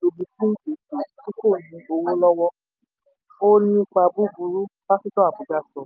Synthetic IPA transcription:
o˨bi˨fĩ˦ki˨i˨ti˦ko˦˨jĩ˧o˧wo˦lɔ˦wɔ˦ | o˦nĩ˧˦k͡pa˧bu˦bu˧ɾu˦b̥a˦ki˦tɔ˦a˨bu˨ɡa˧sɔ˨

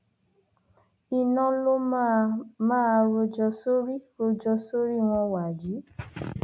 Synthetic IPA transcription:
i˧nɔ̃˦lo˦ | mãː˦˧ɾo˧d͡ʒɔ˧so˦ɾi˦ɾo˧d͡ʒɔ˧so˦ɾi˦˨w̃ɔ̃˧wa˨d͡ʒi˨˦

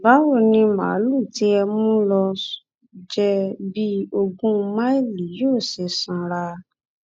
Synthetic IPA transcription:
ba˨˦wo˦˨nĩ˧mã̰˨˦lu˦˨ti˨˦ɛ˧m̃ũ˦lɔ˧ | d͡ʒɛ˦bi˦o˧ɡũ˦˧mã˦i˦˨li˨˦joː˦˨se˧˨sã˧˦ɾa˧

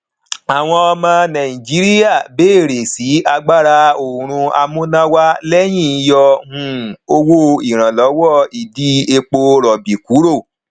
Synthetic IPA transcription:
a˨w̃ɔ̃˧ɔ˧mã˧nã˨ĩ˨d͡ʒi˨˦ɾi˦ja˦˨be˦˨ɾe˨si˨˦a˧ɡ͡ba˦ɾa˧o˨ɾ̃ũ˧a̰˧mũ˦nã˦wa˦lɛ˦j̃ĩ˦˨˧jɔ˧hũ˧o˧wo˦i˨ɾ̃ã˨lɔ˨˦wɔ˦˨i˨di˦e˧k͡po˧ɾɔ˨bi˨ku˨˦ɾo˦˨

